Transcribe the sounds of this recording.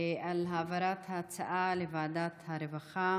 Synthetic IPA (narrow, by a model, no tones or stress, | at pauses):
ʔalɦavaɾat̪hat͡saʔalevaːd̪at̪haɾevaχa